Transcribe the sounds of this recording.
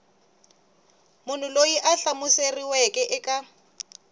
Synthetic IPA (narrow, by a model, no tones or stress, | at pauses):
mʊn̤ʊlojiʔaɬamuseriwɛkʼɛʔɪkʼa